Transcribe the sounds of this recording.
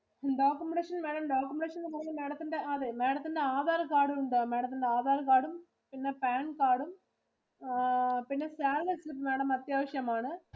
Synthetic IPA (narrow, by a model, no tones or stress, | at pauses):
ɖaːkːɯmɳɖeːʂɐnmeːɽɐmɖaːkːɯmɳɖeːʂɐnmɐɾlɐmeːɽɐt̪ːɯɳɖɐɐðemeːɽɐt̪ːɯɳɖɐaːðaːɾɐkaːɽɯɳɖoːmeːɽɐt̪ːɯɳɖɐaːðaːɾɐkaːɽɯm | pɪnːɐpaːnkaːɽɯm | pɪnːɐsaːɾʋɐsɯpmeːɽɐmɐt̪ːjaːʋɐʂɐjɐmaːnɐ